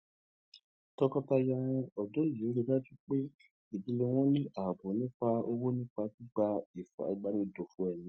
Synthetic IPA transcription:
tɔ˧kɔ˧ta˧jã˧ɔ˨do˨˦li˨o˨˦ɾe˧da˦tu˦k͡pe˦ | i˨di˧le˧w̃ɔ̃˦nĩ˦ʔa˨bo˨˦nĩ˦k͡pa˧o˧wo˦nĩ˦k͡pa˧ti˦ɡ͡ba˧i˨fa̰˨˦i˨˧˦ɡ͡ba˦nĩ˦do˨fũ˦ɛ˦˨nĩ˨˧

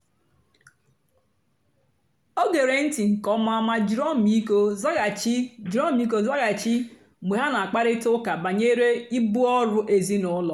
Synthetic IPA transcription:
o˦ɡe˨ɾe˨n̩˦ti˨ŋ̩˨kɔ˦ma˦ma˦d͡ʒɾɔ˦mi˦ko˦za˦ɣa˨t͡ʃi˦d͡ʒɾɔ˦m̩˦i˦k̬o˦za˦ɣa˨t͡ʃi˦ | me˨ɦa˦na˨a˨k͡pa˦ɾɪ˦tʊ˦ka˨ba˨ɲe˦ɾe˦i˦bʊ˦ɔ˦ɾʊ˦ʔe˨zi˦nʊ˨˦lɔ˨

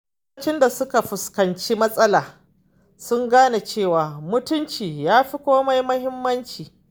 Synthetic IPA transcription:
kt͡ʃɪ˦nda˨sʊ˦ka˨ɸʊ˨skɐ˨nt͡ʃi˦mɐ˦sʼɐ˦laː˨ | sʊ˦ŋɡaː˦na˨t͡ʃeː˦˨waː˨mʊ˦tʊ˦nt͡ʃiː˨jaː˦ɸi˦kʷoː˦ma˦jmɐ˦hɪ˦mːɐ˦nt͡ʃiː˨

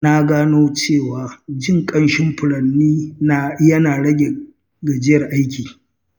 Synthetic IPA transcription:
na˦ɡaː˦noː˦t͡ʃeː˦˨waː˨d͡ʒɪ˦˨ŋkʼɐ˦nʃɪ˦mɸʊ˨lɐ˨nːiː˦na˨jɐ˦naː˨ɽɐ˦ɡʲe˨ | ɡa˨d͡ʒɪ˦jɐ˨rʔa˦jkʲiː˨

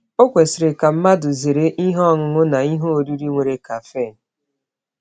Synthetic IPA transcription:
o˦kʷe˨sɪ˨ɾɪ˨ka˨m̩˦ma˦dʊ˨ze˨ɾe˦ʔi˦ɦɔ˦˨ŋʊ˨ŋʊ˦na˨i˦ɦo˦o˨du˦ɾi˦ŋʷe˨ɾe˦ka˨fe˦˨n̩˨

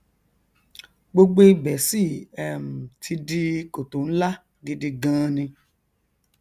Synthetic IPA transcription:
ɡ͡bo˧ɡ͡be˦i˦bɛ˨˦si˦˨ɛ˨m̩˨tʰi˧di˧ko˨to˨˦n̩˦la˦ | ɡi˧de˧ɡã˦˧nĩ˧

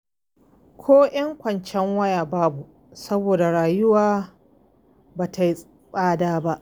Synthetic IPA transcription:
kʷʰoː˦j̰ɐ˦ŋkʷɐ˨nt͡ʃɛ˦ŋwɐ˦jaː˨baː˦bu˨ | sɐ˦boː˨da˨ɽaː˨jʊ˦waː˨ | baː˨ta˨jʼ | ɸʼaː˦daː˦ba˦ʔ

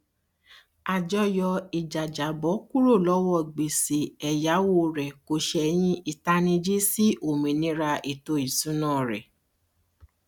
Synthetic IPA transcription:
a˨d͡ʒɔ˦jɔ˧i˨d͡ʒa˨d͡ʒa˨bɔ˨˦ku˦ɾo˦˨lɔ˨˦wɔ˦˨ɡ͡be˨si˨ɛ˨ja˨˦wo˦˨ɾɛ˨ko˧˦ʃɛ˧j̃ĩ˦i˨ta˧nĩ˧d͡ʒi˦si˦ʔo˨mĩ˨nĩ˨˦ɾa˧i˨to˧˦i˨sũ˨˦nãː˦˨ɾɛ̰˨

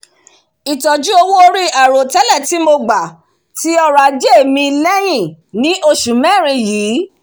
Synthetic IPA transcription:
i˨tɔ˨d͡ʒu˦o˧wu˦o˧ɾi˦a˨ɾo˨tɛ˦lɛ˦˨ti˨˦mo˧ɡ͡ba˨ | ti˨˦ɔ˧ɾa˨d͡ʒe˦e˦˨mĩ˧lɛ˦j̃ĩ˦˨ | nĩ˨˦ʔo˧ʃu˨mɛ̃˦˨ɾ̃ĩ˧jiː˨˦

